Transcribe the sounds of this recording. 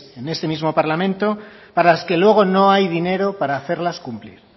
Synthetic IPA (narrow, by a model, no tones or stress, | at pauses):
e̞ne̞st̪e̞mizmo̞paɾlamẽ̞nt̪o̞paɾalaske̞lwe̞ɣ̞o̞no̞ajðine̞ɾopaɾaːθe̞ɾlaskumpliɾ